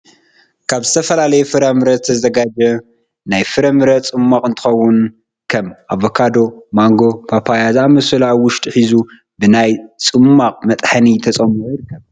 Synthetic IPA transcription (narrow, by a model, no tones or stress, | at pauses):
kʰaβzɨt̪ʰɐfɐlalɐjɛfɨɾɐmɨɾɐzɨt̪ʰɐzɐɡad͡ʒɐ | najfɨɾɐmɨɾɐt͡sʼɨmːaqʼɨnt̪ʰɨ̥xɐwːʊn | kʰɐmʔaβokʰad̪o̞maŋɡo̞pʰapʰajazamɐsɨlawʊʃt̪ʼħizu | bɨnajt͡sʼɨmːaqʼmɐt̪ʼħanit̪ʰɐsʼɐmʔujiɾɨkʰːɐβ